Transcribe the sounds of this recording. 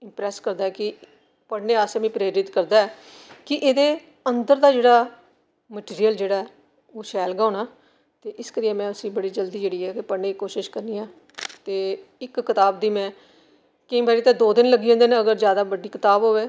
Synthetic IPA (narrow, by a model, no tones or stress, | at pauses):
ɪmpɾɛːskəɾd̪aːɛːkɪ | pəɽneːaːsemĩːpɾeːɾɪt̪kəɾd̪aːɛː | kɪʔeːd̪eː | ənd̪əɾd̪aːd͡ʒeːɽaː | məʈiːɾijəld͡ʒeːɽaːɛː | oːʃɛːlɡaːnaː | t̪eːʔɪskəɾiːɛ̃ːmɛ̃ːəsĩːbəɽiːd͡ʒəld̪iːd͡ʒeːɽiːɛːkepəɽɳneːkoːʃɪʃkəɾniːãː | t̪eːɪkːɪt̪aːb̚d̪iːmɛ̃ː | kɪĩːbaːɾiːt̪ãːd̪oːd̪ɪnləɡiːɦõːnd̪eːnẽːəɡəɾzjaːd̪aːbəɖiːkɪt̪aːbɦoːʋeː